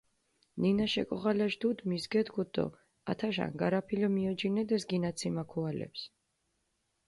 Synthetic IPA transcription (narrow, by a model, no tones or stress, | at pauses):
ninaʃɛkʼɔʁalaʃd̪ud̪misɡɛd̪ɡɔd̪ɔ̰ | a̰t̪ʰaʃa̰nɡaɾapʰilɔmiɔd͡ʒinɛd̪ɛsɡinat̪sʰimakʰualɛ̰ps